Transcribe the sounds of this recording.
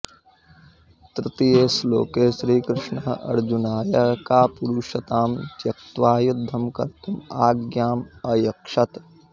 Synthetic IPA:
t̪ɾɪt̪ijeːslo̰ːkeːʃɾiːkɾɪʂɳɐɐ̰ɾd͡ʒunaːjɐkaːpuɾuːʃɐt̪aːmt̪jɐk̚t̪ʋaːjud̪ʱːɐmkɐ̰ɾt̪ʰɐmaːɡjaːmɐjɐkʂɐt̪

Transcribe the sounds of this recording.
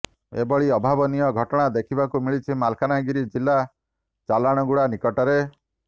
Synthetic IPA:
ḛbɔɭiɔbʱabɔnijɔɡʱɔʈɔɽ̃ad̪ekʰibakumiɭit͡ʃʰimalkʰanaɡiɾid͡ʒilːa | t͡ʃalaɽ̃ɔɡuɽanikɔʈɔɾe

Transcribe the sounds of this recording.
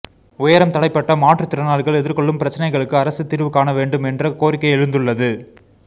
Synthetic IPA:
ʊjɐɾɐmt̪ɐɽɐɪpːɐʈːɐmaːʈrɯt̪ːɪɾɐnaːɭɣɐɭɛðɪɾkɔɭːɯmpɪɾɐt͡ʃːɐnɐɪɣɐɭɯkːɯɐɾɐsɯt̪ːɪɾɯʋɯkaːnɐʋeːɳɖɯmɛndrɐkoːɾɪkːɐɪɛɻɯnd̪ɯɭːɐðɯ

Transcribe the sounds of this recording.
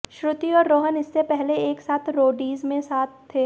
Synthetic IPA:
ʃɾʊt̪iɔːɾːoːɦənɪsːepɛɦleeːksaːt̪ʰɾoːɖiːzmẽsaːt̪̚ʰːeː

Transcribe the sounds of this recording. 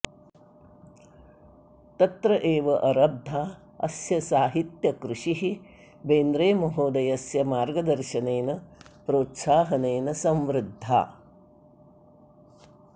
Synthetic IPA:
t̪ɐt̪ɾɐʔeːʋɐʔɐɾɐb̚d̪ʱaː | ɐ̰sjɐsaːɦit̪jɐkɾuʃiɦi | beːnd̪ɾeːmɐɦoːd̪ɐjɐsjɐmaːɾɡɐd̪ɐɾʃɐneːnɐpɾoːt̪saːɦɐneːnɐsɐmʋɾɪd̪ʱːa̰ː

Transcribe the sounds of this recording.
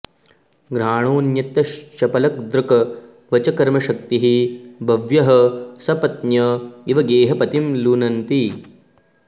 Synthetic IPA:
ɡɾaːɳ̃oːnjɐt̪ːɐʃt͡ʃɐpɐlɐk̚d̪ɾukɐ | ʋɐt͡ʃɐkɐɾmɐʃɐkt̪iɦibʱɐʋjɐɦɐ̆sɐpɐt̪̚njɐiʋɐɡeːɦɐpɐt̪imlunɐnt̪i

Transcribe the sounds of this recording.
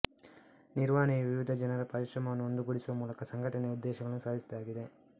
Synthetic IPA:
niɾʋaːnijɐʋiʋid̪ʱɐd͡ʒɐnɐɾɐpɐɾiʃɾɐmɐʋɐnːuond̪uɡuɽisuʋɐmuːlɐkɐsɐŋɡʱɐʈɐneud̪ːɛːʃɐɡɐɭɐnːusaːd̪ʱisɐd̪aːɡid̪e̞

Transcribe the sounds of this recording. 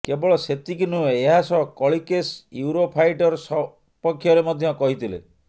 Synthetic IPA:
kebɔɭɔset̪ikinueeɦasɔkɔɭikesjuɾopʰajʈɔɾsɔ | pɔkʰːjɔɾemɔd̪ʱjɔkɔɦit̪ʰilḛ

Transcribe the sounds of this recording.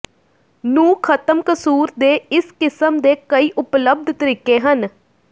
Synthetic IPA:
nũːkʰət̪əmkəsuːɾd̪eːɪskɪsəmd̪eːkəiːʔʊpləb̚d̪ʱt̪əɾiːkeːɦən

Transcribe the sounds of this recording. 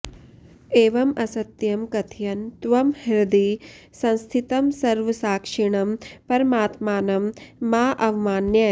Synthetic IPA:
eːʋɐmɐsɐt̪jɐmkɐt̪ʰjɐnt̪ʋɐmhiɾɐd̪i | sɐ̃nst̪ʰit̪ɐmsɐɾʋɐsaːkʂiɳ̃ɐmpɐɾɐmaːt̪maːnɐmːaːʔɐʋmaːnjɐ

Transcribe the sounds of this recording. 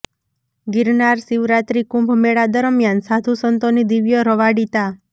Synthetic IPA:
ɡɪɾnaɾsiʋɾat̪ɾikũmbʱmeɭad̪əɾəmjansad̪ʱusənt̪onid̪iʋjəɾəʋaɽit̪a

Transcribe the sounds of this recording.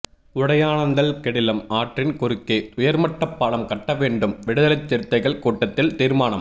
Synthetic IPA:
ʊɽɐjaːnɐnd̪ɐlkɛɽɪlɐmaːʈrɪnkʊɾɯkːeːʊjɐɾmɐʈːɐpːaːlɐmkɐʈːɐʋeːɳɖɯmʋɪɽɯðɐlɐt͡ʃːɛɾɯt̪ːɐɪɣɐɭkuːʈːɐt̪ːɪlt̪iːɾmaːnɐm

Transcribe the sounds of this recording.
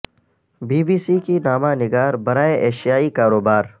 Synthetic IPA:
biːbiːsikinaːmanɪɡaːɾbɐɾaːeʔeːʃijaːikaːɾoːbaːɾ

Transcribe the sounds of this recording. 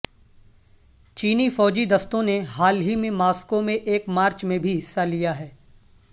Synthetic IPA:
t͡ʃiːnifɔːd͡ʒid̪ɐst̪õneɦaːlɦimẽmaːskomẽʔeːkmaːɾt͡ʃmẽbʱiɦɪsːalijaɦɛː

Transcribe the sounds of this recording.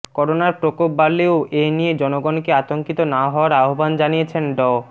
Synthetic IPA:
kɔɾonaɾpɾokop̚baleoʔejnijed͡ʑɔnoɡɔnkeat̪oŋkit̪onaɦɔoaɾaɦoband͡ʑanijet͡ɕʰenɖɔ

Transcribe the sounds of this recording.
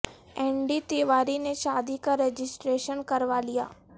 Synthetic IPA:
ɛ̃ːɳɖit̪iːʋaːɾineʃaːd̪ikaɾeːd͡ʒɪsʈɾeːʃənkɐɾʋalija̰ː

